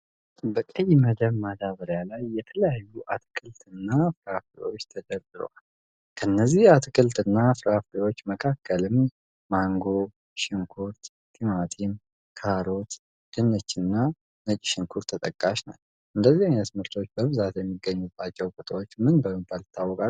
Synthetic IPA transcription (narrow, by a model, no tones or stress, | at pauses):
bəkʼəjməd̪əβmad̪aβəɾjalajːɛt̪ʰələjajːuʔat̪ʰkʰɨlt̪ɨnːafɾaflḛwo̞t͡ʃːt̪ʰəd̪əɾd̪ɨɾ̰wall | kʰənːəzːihat̪ʰɨkɨlt̪ɨnːafɨɾafliwo̞t͡ʃːməkʰakʰːəlɨmː | aŋɡo̞ | ʃɪŋkʰuɾt̪ | t̪ʰimat̪ʰim | kʰaɾo̞t̪ | d̪̥ɨnːət͡ʃːɪnːa | nət͡ʃʼʃɪŋkʰuɾt̪ʰːət̪ʼəkʼːaʃna̰ | ʔɨnd̪əzːihajnət̪mɨɾt̪ʰo̞t͡ʃːbəβɨzat̪jɛmːiɡːəɲːubːat͡ʃːɛwkʼut̪ʰawot͡ʃːmɨnbəməb̪alɨt̪ʰːawːɔkʼa